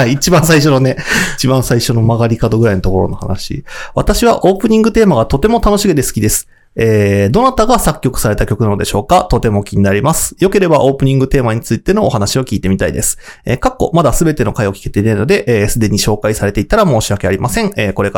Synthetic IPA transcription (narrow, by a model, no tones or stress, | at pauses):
aiit͡ɕibãɰ̃saiɕ̬o̞no̞ne̞it͡ɕibãɰ̃saiɕo̞no̞maɡaɾʲikad̪o̞ɡɯ̟ɾainot̪oko̞ɾo̞no̞ha̰naɕḭβ̞at̪aɕiβ̞aʔo̞ːpɯ̟ɲ̟ĩŋɡɯ̟t̪e̞ːmaɡat̪o̞t̪e̞mo̞t̪ano̞ɕiɡɯ̟d̪e̞sɨ̥kʲid̪e̞sɨ̥ | eːd̪o̞nat̪aɡasakʲːo̞kɯ̟̥saɾe̞t̪akʲo̞kɯnanod̪e̞ɕo̞ːkat̪o̞t̪e̞mo̞kʲiɲ̟inaɾʲimasɨ̥jo̞ke̞ɾe̞baʔo̞ːpɯ̟ɲ̟ĩŋɡɯ̟t̪e̞ːmaɲ̟it͡sɨit̪e̞no̞ːhanaɕio̞kʲiːt̪e̞mʲit̪aḭd̪e̞sɨ̥ | ekakːo̞̰mad̪asɨbe̞t̪e̞no̞kaeo̞kʲi̥ke̞t̪e̞inaino̞d̪e̞ʔeːsɨd̪e̞ɲ̟iɕo̞ːkaisaɾe̞t̪e̞it̪aɾamo̞ːɕiakeaɾʲimasẽ̞ŋeːko̞ɾe̞k